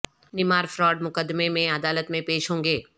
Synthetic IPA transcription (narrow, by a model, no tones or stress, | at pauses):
nɪmaːɾfɾɔːɖmʊkəd̪memẽɐd̪aːlət̪mẽpeːʃɦõːŋɡeː